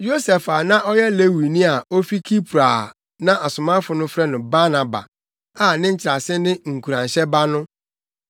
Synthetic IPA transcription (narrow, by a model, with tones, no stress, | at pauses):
jo˦sɛ˨fa˨nã˦ʔɔ˦jɛ˦le˦wi˨nĩ˦a˨o˦fi˦kʰi˦pʰu˨ɾa˨ | nã˦ʔa˨sʊ˨mã˦fʊ˨˦nʊ̃˦fɾɛ˦nʊ̃˨ba˦nã˨ba̰˨ | a˨nɪ̃˦ɲ̩˦t͡ɕʰɪ˨ɾa˨sɪ˦nɪ̃˦ŋ̩˨kʰu˨ɾã˨n˨ɕɛ˦ba˦nʊ̃˦